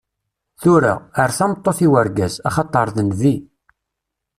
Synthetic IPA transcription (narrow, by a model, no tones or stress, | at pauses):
θʊɾa̰əɾθæmət̪ˤːoθiwəɾɡæzɑχɑt̪ˤːɑɾˤðənði